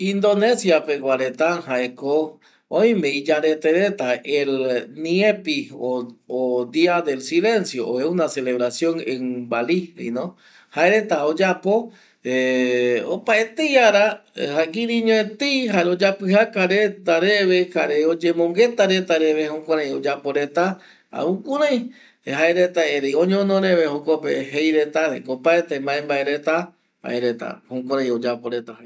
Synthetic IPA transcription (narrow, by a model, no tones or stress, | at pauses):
ĩnd̪o̞nẽsjapeɡwaɾet̪ahaeko | õj̃mẽ̞id͡ʒaɾe̞t̪eɾet̪aelnĩẽpiood̪iad̪e̞lsilẽ̞nsjoʔoeunaseleβɾasjõŋeŋbaliḭnõ | haeɾet̪aod͡ʒapo̞ | eopaet̪ejaɾahakĩɾĩɲõet̪ejɦaod͡ʒapɨhakaɾet̪aɾeβehaɾeod͡ʒemõŋɡe̞t̪aɾet̪aɾeβehokʷãɾãj̃od͡ʒapo̞ɾe̞t̪a | a̰ukuɾãj̃ | ɦaeɾet̪aeɾejõɲõnõɾeβehokopḛɦejɾet̪aɾḛkopaet̪embãẽmbaeɾet̪a | a̰ʔeɾet̪a̰hokʷãɾãj̃od͡ʒapoɾet̪ah